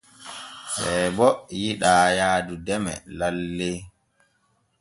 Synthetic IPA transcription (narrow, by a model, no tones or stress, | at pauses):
sɛbɔjiɗaːjaːdudɛmɛ̰lalːe